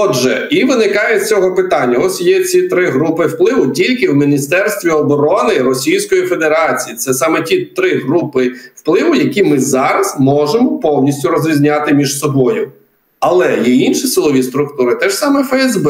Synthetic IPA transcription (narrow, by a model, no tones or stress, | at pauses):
ɔʒɛ̰iʋɪnɪkɑjɛt͡sʲɔɦɔpɪt̪ɑnʲːɐɔsʲjɛt͡sʲit̪ɾɪɦɾupɪwplˠɪʋʊtʲilʲkɪwmʲinʲist̪ɛrst̪ʋʲiɔbɔɾɔnɪrɔsʲijsʲkɔjifed̪eɾɑt͡sʲijit̪sɛsɑmɛtʲit̪ɾɪɦɾupɪwplˠɪʋʊjɐkʲimɪzɑɾɐzmɔʒemɔpɔwnʲisʲtʲʊɾɔzɾʲizʲnʲɑt̪ɪmʲiʒsɔbɔjʊ | ɐlˠɛjɛinʃisɪlˠɔʋʲist̪ɾʊkt̪uɾɪt̪ɛʒ̥sɑmɛfɛɛzbɛ